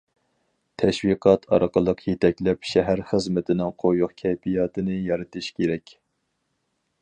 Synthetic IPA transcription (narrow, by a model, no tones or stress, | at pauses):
t̪ʰɛʃwiqʰɑt̪ʰɑ̰ɾəqəlˠəqʰjet̪ʰɛkʲlɛpʃɛɦæɾχɨzmɪt̪ʰɪnɪŋqʰojoχkʲʰɛpʰijɑːt̪ʰɨnɨjɑɾɨt̪ʰɨʃkʲeɾɛkʲ